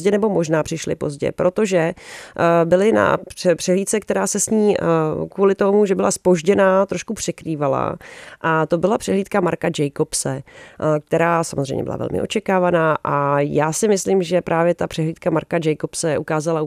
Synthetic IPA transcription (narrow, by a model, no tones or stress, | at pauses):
ɛnɛbo̞mo̞ʒnaːpr̝̥ɪʃlɪ̰po̞̰zɟɛ̰pɾo̞t̪o̞ʒɛ | bɪlɪna̰pɛpr̥ɛɦliːt̪sɛk̚t̪ɛɾaːsɛsɲiːkvuːlɪt̪o̞muʒɛbɪlaspo̞ʒɟɛnaːt̪ɾoʃkupr̝̥ɛkɾiːvala̰ʔat̪o̞bɪlapr̥ɛɦliːt̪kamaɾkad͡ʒɛjkopsɛk̚t̪ɛɾaːsamozrɛ̰jɲɛ̰bɪla̰vɛ̰lmɪ̰ʔo̞̰t͡ʃɛkaːvanaːʔajaːsɪmɪslɪmʒɛpɾʔaːvjɛt̪apr̥ɛɦliːt̪̚kamaɾkad͡ʒɛjko̞psɛʔukaːzala